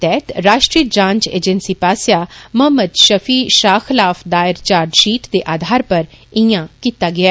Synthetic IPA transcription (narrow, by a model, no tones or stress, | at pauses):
t̪ɛːt̪ɾaːʃʈɾiːəd͡ʒãːɲt͡ʃḛːd͡ʒənsiːpaːsjaːməməd̪ʃəfʰiːʃaːkʰəlaːfʰd̪aːɪɾt͡ʃaːɾɖʃiːʈd̪eːʔaːd̪ʱaːɾpəɾ | ɪ̃jãːkiːt̪aːɡɪaː